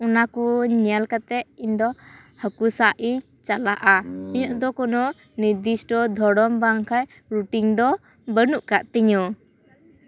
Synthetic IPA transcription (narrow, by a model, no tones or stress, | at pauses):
unakuɲɛlkat̪ɛʔiɲd̪ɔ | həkusaʔi | t͡ʃalaʔaɔɲɔʔd̪ɔkɔnɔ | niɾd̪isʈɔd̪ʱɔɽɔmbaŋkʰaj | ɾuʈiŋd̪ɔ | bənuʔkaʔt̪ɛɲɔ